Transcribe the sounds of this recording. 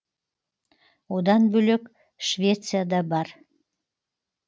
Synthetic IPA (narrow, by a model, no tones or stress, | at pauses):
od̪ɑnbyløk | ʃvʲet̪t͡sɨjɑd̪ɑbɑr